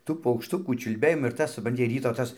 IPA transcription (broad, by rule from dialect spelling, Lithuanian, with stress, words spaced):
ˈtuː pɐʊkʃˈtʊkuː t͡ʃʲʊlʲˈbʲeːjɪmɐs ɪr ˈtɐs sʊprɐnʲˈtʲɪ ˈrʲiːtoː ˈtɐs